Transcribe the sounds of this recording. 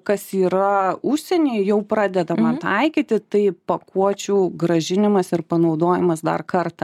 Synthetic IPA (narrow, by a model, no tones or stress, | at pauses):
kɐsiːɾɐʊʃʲsʲɛnʲeːɪjɛʊpɾɑːd̪ʲɛd̪ɐmɐt̪ɐɪkʲiːt̪ʲɪt̪ɐɪpɐkuɔt͡ʃʲuːɡɾɐʒʲɪnʲɪmɐsɪɾpɐnɒʊd̪oːjɪmɐsd̪ɐ̰rkɐrt̪ɐ